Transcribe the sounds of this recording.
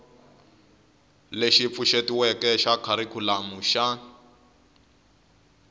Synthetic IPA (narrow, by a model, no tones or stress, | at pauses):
leʃip̪fuʃetiwɛkɛʃakʰaɾikʰulamuʃa